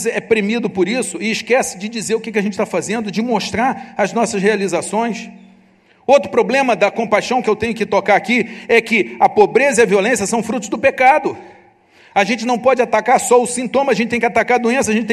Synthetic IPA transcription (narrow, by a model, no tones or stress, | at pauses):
zɪɛpɾemid̪ʊpʊɾisʊɪɪʃkɛsɪd͡ʒɪd͡ʒizeɾʊkɛkɪɐʒẽnt͡ʃɪt̪afazẽnd̪ʊd͡ʒɪmoʃt̪ɾaɾɐznɔsɐshealizasõj̃s | owt̪ɾʊpɾoblẽmɐd̪ɐkõmpajʃɐ̃w̃kɪewt̪ẽɲjʊkɪt̪okaɾakiɛkɪɐpobɾezɐiɐviolẽsjɐsɐ̃w̃fɾut̪ʊzd̪ʊpekad̪ʊ | ɐʒẽnt͡ʃɪnɐ̃w̃pɔd͡ʒɪat̪akaɾsɔʊsĩnt̪õmɐʒẽt͡ʃɪt̪ẽj̃kat̪akaɾɐd̪uẽs̬ɐʒẽt͡ʃɪt̪